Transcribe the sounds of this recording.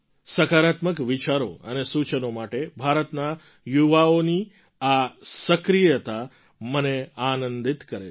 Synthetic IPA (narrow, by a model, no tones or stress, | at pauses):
səkaɾat̪məkʋit͡ʃaɾo̰ənesut͡ʃənomaʈebʱaɾət̪na | juʋaoni | asəkɾijət̪a | məneanənd̪it̪kəɾḛ